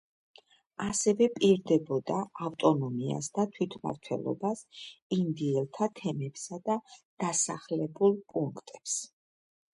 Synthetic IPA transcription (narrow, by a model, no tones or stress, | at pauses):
asɛvɛpʼiɾd̪ɛbɔd̪aːft̪ʼɔnɔmia̰sd̪at̪ʰwit̪ʰma̰ɾt̪ʰwɛ̰lˠɔ̰basind̪iɛlˠt̪ʰat̪ʰɛmɛpsad̪ad̪̥asaχlɛbulˠpʼuŋkʰt̪ʼɛps